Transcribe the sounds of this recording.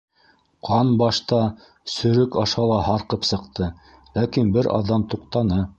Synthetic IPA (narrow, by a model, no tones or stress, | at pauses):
qʰɑnbɑʃt̪ɑ | sɵ̆ɾɵkɑʃɑlˠɑhɑɾqɤpsɤ̆qt̪ɤ | lækinbɘɾʔɑ̰ðːɑmt̪uq̚t̪ɑnɤ